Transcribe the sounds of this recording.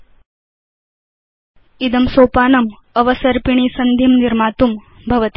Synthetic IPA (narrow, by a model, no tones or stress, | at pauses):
id̪ɐmsoːpaːnɐm | ɐʋɐsɐɾpiɳ̃iːsɐnd̪ʱimniɾmaːt̪um | bʱɐʋɐt̪